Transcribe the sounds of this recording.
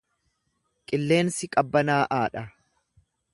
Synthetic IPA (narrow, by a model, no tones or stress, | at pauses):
kʼɪlːe̞ːnsɪkʼɐbːɐnaːʔaːᶑɐ